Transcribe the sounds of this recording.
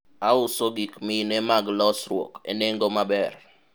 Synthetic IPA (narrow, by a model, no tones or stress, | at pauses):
aʊsoɡikminɛmaɡlɔsɾwɔ̰kḛneŋɡomabɛr